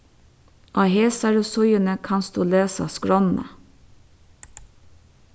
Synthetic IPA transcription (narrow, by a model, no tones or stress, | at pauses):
ʔɑːheːsɑɾʉsʊʏənəkʰɑnsd̪uːleːsɑ̰skɹɔnə̰